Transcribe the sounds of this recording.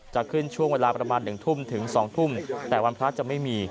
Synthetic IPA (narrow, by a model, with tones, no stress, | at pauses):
t͡ɕa˨˩kʰɯ˥˩nt͡ɕʰu˥˩əŋweː˧laː˧pɾa˧maː˧nːɯ˨˩ŋt̪ʰu˥˩mt̪ʰɯ˩˦ŋsɔː˩˦ŋt̪ʰu˥˩mt̪ɛː˨˩wa˧npʰɾa˦˥t͡ɕa˨˩ma˥˩jmiː˧